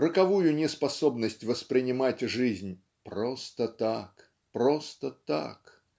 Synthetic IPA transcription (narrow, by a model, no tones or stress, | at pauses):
rəkɐvujʊnʲɪspɐso̞bnəsʲtʲvəspɾʲɪnʲɪmatʲʐɨzʲnʲ | pɾost̪ət̪ak | pɾost̪ət̪a̰k